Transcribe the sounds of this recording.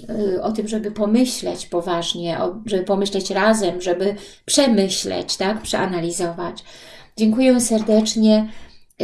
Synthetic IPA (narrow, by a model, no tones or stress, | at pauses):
ɔt̪ɘmʐɛbɘpɔmɘɕlɛ̰t͡ɕpɔvaʐɲɛʔɔ̰ʐɛbɘpɔmɘɕlɛt͡ɕɾazɛmʐɛbɘpʂɛmɘɕlɛ̰t͡ɕt̪akpʂɛʔanalʲizɔvat͡ɕd͡ʑɛŋkujɛsɛɾd̪ɛt͡ʂɲɛ